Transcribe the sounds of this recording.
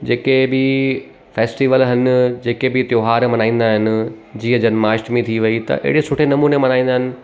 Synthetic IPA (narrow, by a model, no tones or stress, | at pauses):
d͡ʑeːkebɪ | feːsʈiːʋəlɦɐn̆d͡ʑeːkebɪt̪joːɦaːɾmɐnaːĩːn̆d̪aːɦɪnɪ̆ | d͡ʑiːə̃d͡ʑɐnmaːʃʈmẽt̪ʰiʋɐit̪ɐ̰ʔɪ̰ɦɽesʊʈʰenɐmuːnemɐnaːĩːn̆d̪aːɦɪnɪ̆